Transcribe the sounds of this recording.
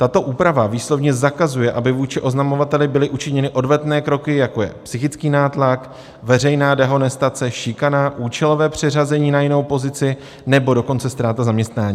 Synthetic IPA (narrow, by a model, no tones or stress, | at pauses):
t̪at̪o̞ʔuːpɾavaviːslo̞vɲɛzakazujɛʔabɪvuːt͡ʃɪʔo̞znamo̞vat̪ɛlɪbɪlɪʔut͡ʃɪɲɛnɪʔo̞dvɛt̪nɛːkɾo̞kɪjako̞jɛ̰psɪxɪt͡skiːnaːt̪lak | vɛrɛjnaːdɛɦo̞nɛst̪at͡sɛʃɪkanaʔuːt͡ʃɛlo̞vɛːpr̝̥ɪrazɛɲiːnajɪno̞wpo̞zɪt͡sɪ | nɛbo̞do̞ko̞nt͡sɛst̪ɾaːt̪azamɲɛst̪naːɲiː